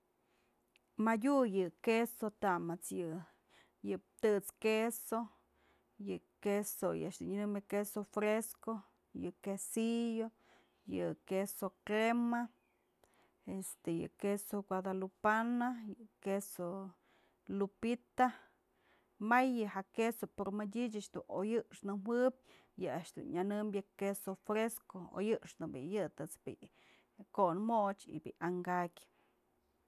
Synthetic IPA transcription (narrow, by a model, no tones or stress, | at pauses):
majujɨkesot̪amat͡sjɨ | jɨp̚t̪ɨt͡skeso | jɨ | kesojɨ̰ʂd̪ḭɲɨnɨmekesofɾesko | jɨ̰kesijo | jɨkesokɾema | est̪ejɨ̰kesokʷwʷad̪alupanajɨkeso | lupit̪a | majːɨhakesopoɾmɨdʲit͡ʃat͡ʃd̪ṵnojɨʔʂnɨmwɨp̚ʲ | jɨaʔʃd̪ṵnɲanɨmbjɨkesofɾeskoo̰jɨʔʂnɨbḭjɨt̪ɨt͡sbḭʔ | koʔnmot͡ʃḭbḭʔaŋɡakʲ